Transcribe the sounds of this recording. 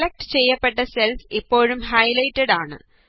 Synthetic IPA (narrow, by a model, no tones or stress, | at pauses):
lɐk̚ʈɨ̥t͡ɕe̞jːɐpːe̞ʈːɐselfipːo̞ːɻumɦɐjlɐjtːɐɽaːɳɨ̰